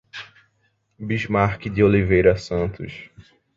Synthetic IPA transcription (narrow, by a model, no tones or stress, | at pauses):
biʒmaɾkɪd̪ɪolivejɾɐsɐ̃nt̪ʊ̰ʃ